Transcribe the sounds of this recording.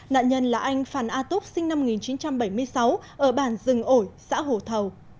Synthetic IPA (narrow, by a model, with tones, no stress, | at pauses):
na̰ː˧˨ɲə˧nlaː˨˩ʔa˧jŋ̟faː˧˩nʔaː˧t̪ʊ˦˥k͡p̚sï˧ŋna˧m˨˩ŋi˨˩nt͡ɕi˨˦nt͡ɕa˧mɓə˧˩jmɨ˧əjsa˨˦wʔəː˧˩ɓaː˧˩nzɨ˨˩ŋʔo˧˩jsa̰ː˧˥ɦo̰˧˨t̪ʰə˨˩w